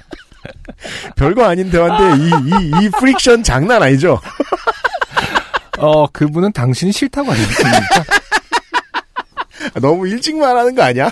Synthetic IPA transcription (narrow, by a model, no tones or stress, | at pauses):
pjʌɭɡwaaɲindewande̞iiipʰɯɾik̚ɕ͈ʌnt͡ɕaŋnanaɲid͡ʑo | ʌkɯbunɯntaŋɕʰinɕʰiɭtʰaɡaɲies͈ɯmika | anʌmuiɭt͡ɕ͈iŋmaɾɦanɯnɡʌaɲia